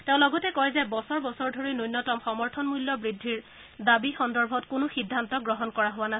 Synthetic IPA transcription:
tɛ̃ʊ̃lɔɡɔtɛkɔjɛzɛbɔsɔɹbɔsɔɹdʱoɹinojnːɔtɔmxɔmɔɹtʰɔnmuljɔbɹidʱːiɹ | dabixɔndɔɹbʱɔtkʊnʊxidʱːantɔɡɹɔɦɔnkɔɹaɦowana

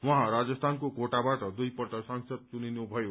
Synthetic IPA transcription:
wʌɦãɾad͡zʌst̪ʰankokoʈabaʈʌd̪ujpʌʈʌsʌŋsʌd̪̚t͡suninubʱʌjo

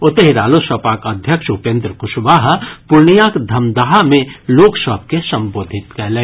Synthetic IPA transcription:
ot̪eɦiɾaːlosəpaːkəd̪ʱjəkʃupẽːnd̪ɾəkʊʃbaɦpuɾɳijakd̪ʱɐmd̪aɦamẽloːksəb̚ʱkesə̃mboːd̪ʱit̪kɛlẽ

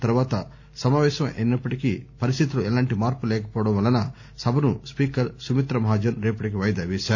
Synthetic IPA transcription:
t̪ɐɾʋaːt̪ɐ | sɐmaːʋɛːʃɐmʔennɐpːɐʈikipɐɾist̪it̪uluɛlaːɳʈimaːɾpulɛːkɐpɔːʋɐɽɐmʋɐlːɐnɐ | sɐbʱɐnuspiːkɐɾsumit̪ɾɐmɐɦaːd͡ʒɐnɾeːpɐʈik̬iʋɐjd̪ɐʋiːʃaːɾu

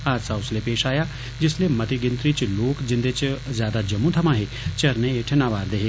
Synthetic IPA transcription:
aːd͡ʒsaʊslepeːʃaːja | d͡ʒɪslemɐt̪iɡɪ̃nt̪ɾit͡ʃloːkd͡ʒɪ̃nd̪et͡ʃzjaːd̪ad͡ʒɐmũt̪ʰɐmãɦeː | t͡ʃɐɾneeʈʰnaʋaːɾd̪eːɦeː

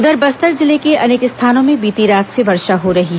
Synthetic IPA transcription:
ʊd̪əɾbɐst̪əɾzɪlekeɐneːkɪst̪ʰaːnõmẽbiːt̪iɾaːt̪sebɐɾʃaɦoɾɐɦiɦ

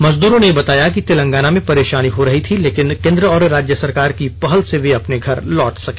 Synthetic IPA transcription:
mɐzd̪uːɾõnejebɐt̪aːjakit̪elə̃ŋɡaːnamẽpɐɾeːʃaːniɦoɾɐɦit̪ʰileːkɪnkẽːnd̪ɾəɔːɾɾaːd͡ʒjəsɐɾkaːɾkipɐɦəlseʋeɐpneɡʱɐɾlɔːʈsɐke̥ː

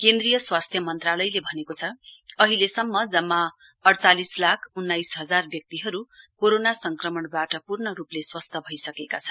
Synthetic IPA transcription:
kend̪rijʌswast̪ʰjʌmʌnt̪ralʌjlebʱʌnekot͡sʰʌʌɦilesʌmːʌd͡zʌmːa | ʌɽt͡salislakʰunːajsɦʌd͡zarbjʌk̚t̪iɦʌɾukoɾonasʌŋkrʌmʌɳbaʈʌpurnʌɾupleswʌst̪ʰʌbʱʌjsʌkekat͡sʰʌn

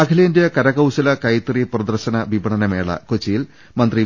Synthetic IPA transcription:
ɐkʰɐlejndjeɐkɐɾɐɣɐwɕɐlɐkɐjt̪ːriprɐd̪ɐrɕɐnɐʋibɐɳɐnɐmḛːɭɐ̰kot͡ɕːijil | mɐnd̪ri

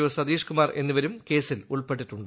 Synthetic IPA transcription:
iʋɐsɐd̪iːʂkumaːrʔe̞nːuʋɐɾumke̞ːsiluɭpeʈ̬ːiʈːuɳɖɨ

